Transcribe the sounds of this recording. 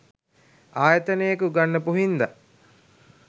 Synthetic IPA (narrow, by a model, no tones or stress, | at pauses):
aːjət̪ənəjəkəuɡanːəpuɦind̪a